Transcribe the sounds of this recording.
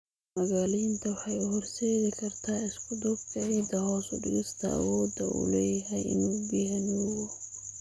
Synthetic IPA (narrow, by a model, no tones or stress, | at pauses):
mɐɣaːlijnt̪ʰɐwɑħɑjʊhɔɾseːɣɪkʰɐɾt̪ʰaːɪskʰʊd̪ub̚k̪ʰɐʕiːd̪ɐhɔːsʊɖɪ̰ɣɪst̪ʰɐ̰ɐ̰wɔːd̪ɐ̰ʔʊ̰lɛːjɐɦɛjɪ̰nuːbɪɦɛnwɔ